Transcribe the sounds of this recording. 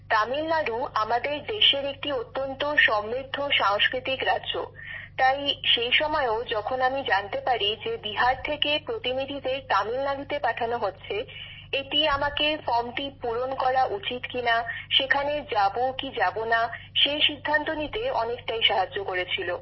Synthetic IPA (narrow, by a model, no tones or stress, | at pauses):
t̪amilnaɾuamad̪eɾd̪eʃeɾek̚ʈiot̪ːont̪oʃɔmɾiɾd̪ʱːoʃaŋskɾit̪ikɾadːʑo̰t̪ajʃejʃɔmɔeod͡ʑɔkʰonamid͡ʑant̪epaɾid͡ʑebiɦaɾt̪ʰekepɾot̪inid̪ʱid̪eɾt̪amilnaɾut̪epaʈʰanoɦotːɕʰe | eʈiamakefɔmʈipuɾonkɔɾaʔut͡ɕit̪kinaʃekʰaned͡ʑabokid͡ʑabonaʃeʃid̪ʱːant̪onit̪eɔnekʈajʃaɦad͡ʑːokoɾet͡ɕʰilo